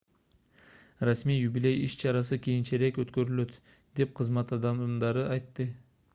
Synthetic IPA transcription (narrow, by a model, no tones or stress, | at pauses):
rasmijjubile̞jiʃt͡ʃʰɑɾɑs̬ɯkʲʰijint͡ʃeɾe̞køt̪kø̞ɾylø̞t̪ | d̪e̞p̚qʰɯzmɑt̪ɑd̪ɑmmd̪ɑɾɯɑjt̪ːɯ